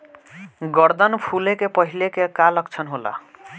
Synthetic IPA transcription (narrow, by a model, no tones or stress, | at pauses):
ɡɔɾd̪ɔnpʰulekepɔɦilekekalɔkt͡ʃʰʌnɦola̰